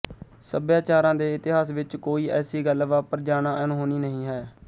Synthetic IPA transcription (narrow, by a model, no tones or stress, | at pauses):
səbjaːt͡ʃaːɾãːd̪eːɪt̪ɪɦaːsʋɪt͡ʃkoːiːɛːsiːɡəlʋaːpəɾd͡ʒaːnãːənɦoːniːnəɦĩːɦɛː